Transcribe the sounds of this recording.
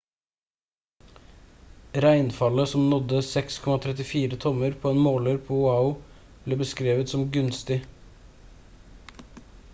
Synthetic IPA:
ɾæɪnfɑləsɔmnɔd̪əsɛkskʰɔmɑt̪ʰɾɛt̪ɪfiːɾət̪ʰɔməɾpʰoːeːnmoːləɾpʰoːhʊaʊ | b̥leːbəskɾeːʋət̪sɔmɡʉnst̪ɪ

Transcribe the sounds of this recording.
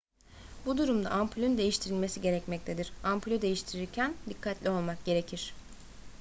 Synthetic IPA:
bud̪uɾumd̪a̰ʔamplʲond̪e̞jiʃt̪ʰiɾilʲme̞siɟe̞ɾɛcmɛc̚t̪ʰed̪iɾ̥ampʰlʲod̪e̞jiʃt̪ʰiɾiɾcʰænd̪ikʰːat̪ʰlʲio̞lˠmak̚ɟe̞ɾe̞cʰiɾ̥

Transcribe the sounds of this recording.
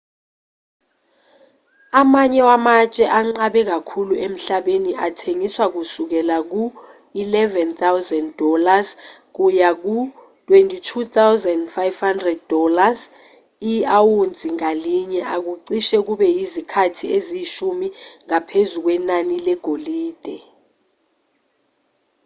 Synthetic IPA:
amaɲɛwamat͡ʃʼɛʔaŋ͡ǀaɓɛk̬akʰuluem̩ɬaɓeniʔatʰeŋiswak̬usuk̬ɛlak̬u | ilɛvɛnt̪ʰawzɛndɔlazk̬ujak̬u | tʼwentʼitʰut̪ʰawzɛndfajv̥handrɛd̚dɔlaz | iawund͡zʱiŋaliɲɛʔak̬uǀiʃɛk̬uɓɛjizikʰatʰieziʃumiŋapʰezuk̬wɛnanilɛɡ̥ʱoliːd̥ʱɛ

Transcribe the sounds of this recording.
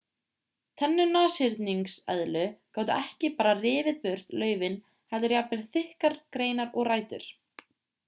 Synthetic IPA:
t̪ʰɛnːʏnaːsɪɾt̪niŋsɛ̰ðlʏkawt̪ʏʔɛhcɪpaːɾarɪːvɪðpʏr̥t̪lœːɥvɪn | hɛlt̪ʏɾjapnɪɾ̥θɪhkaɾ̥kɾeːjnaɾɔɣraːjt̪ʏ̰ɾ̥

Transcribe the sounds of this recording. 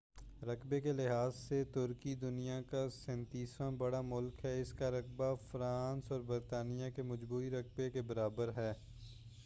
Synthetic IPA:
ɾɐkbekelɪɦaːzset̪ʊɾkid̪ʊnijakasɛ̃ːnt̪iːsɾãbɐɽamʊlkɦɛɪskaɾɐk̚bafɾaːnsɔːɾbɐɾt̪aːnijakemɐd͡ʒbuːiɾɐk̚bekebɐɾaːbəɾɦɛː

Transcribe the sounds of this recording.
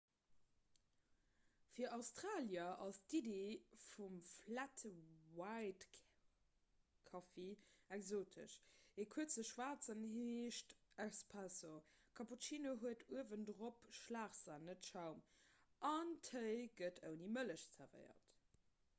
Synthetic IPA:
fiːɐɑʊstʁaːljɐʔɑstidefumflætʰəwaɪt | kʰɑfeɛkzoːtʰə̰ʃeːkʰuətt͡səʃwaːt͡sənheːʃtæspʰæsokʰɑput͡ʃiːnoɦuətʰuəvəndʁopʃlaːχzaːnətʃaʊmʔɑntʰhəɪɡətʰəʊnimələʃzæʁvɜ̰ɪɐ̰t

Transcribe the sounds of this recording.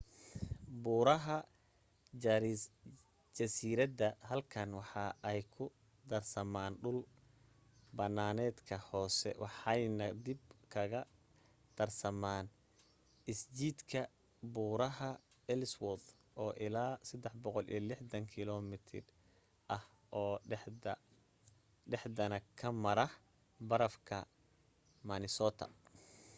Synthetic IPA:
buːɾɐɦɐ | d͡ʒɐsiːɾɐd̪ɐhɐlkʰɐnwɑħɑʔɛjkʰʊ | d̪ɐrsɐmaːnɖʊl | bɐnːaːnɛːd̪kʰɐhɔːsɛ̰wɑħɑjnɐd̪ɪbkʰɐɣɐ | t̪ʰɐrsɐmaːn | ʔɪst͡ʃiːd̪kʰɐ | buːɾɐɦɐ | ɛlswɔð | ʔɔːʔɪlaːsɐd̪ːɛħbɔqɔlḭjɐlɪħd̪ɐŋkʰɪlɔmɪt̪ʰɪ̰r | ʔɐh | ʔɔː | ɖɛħd̪ɐnɐkʰɐmɐɾɐh | bɐɾɐfkʰɐ̰ | mɐnɪsɔːt̪ʰɐ̰

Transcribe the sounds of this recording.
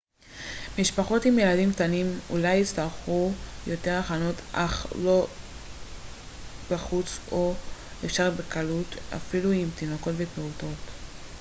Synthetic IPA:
miʃpaχo̞timje̞ladimktanimṵlajit͡staʁχujo̞te̞ʁaχano̞tʰʔaχlo̞ | b̥aχut͡so̞efʃaʁbekʰaluta̰filuimt̪ino̞ko̞tvepeuto̞t

